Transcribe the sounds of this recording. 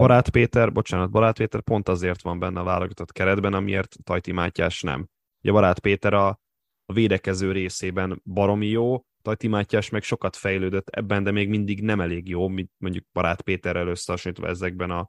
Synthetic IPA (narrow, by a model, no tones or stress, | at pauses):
b̥ɒɾaːt̪peːt̪ɛrbo̞t͡ʃaːnɒd̪̚bɒɾaːt̪̚peːt̪ɛrpo̞n̪t̪ɒzeːrt̪ʋɒmbɛnːɛɒva̰ːloɡɒt̪o̞t̪kɛɾɛd̪bɛnɒmiḛːrt̪ːɒjt̪imaːcːa̰ːʃnɛ̰m | uɟɛbɒɾaːt̪peːt̪ɛɾɒ | veːd̪ɛkɛzøːɾeːseːbɛnbɒɾo̞mijoː | t̪ɒjt̪imaːcːaːʃmɛkʃo̞kɒt̪fɛjløːd̪øt̪ːɛ̰bːɛnd̪ɛmeːɡmind̪iɡnɛmɛleːɡjoːmint̪moɲɟuk̚b̥ɒɾa̰ːt̪peːt̪ɛɾɛløsːɛɒʃoɲːt̪ʋɒ̰ɛzɛɡ̚bɛnɒ